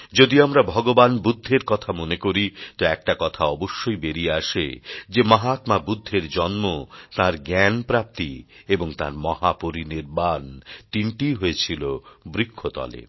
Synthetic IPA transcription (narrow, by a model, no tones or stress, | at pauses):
d͡ʑod̪iamɾabʱɔɡobanbud̪ʱːeɾkɔt̪ʰamonekoɾit̪oɛk̚ʈakɔt̪ʰaɔboʃːojbeɾieaʃḛd͡ʑemɔɦat̪mabud̪ʱːeɾd͡ʑɔnmot̪aɾɡɛnpɾap̚t̪ieboŋt̪a̰ɾmɔhapoɾineɾbant̪iɳʈiɦoet͡ɕʰilobɾikʰːot̪ɔ̰lḛ